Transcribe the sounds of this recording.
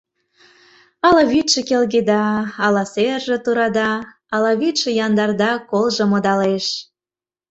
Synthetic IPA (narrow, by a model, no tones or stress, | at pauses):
ɑlɑβit̪ʃĕkelɣed̪ɑɑlɑserʒĕt̪uɾɑd̪ɑ | ɑlɑβit̪ʃĕjɑnd̪ɑrd̪ɑkolˠʒɤ̆mod̪ɑleʃ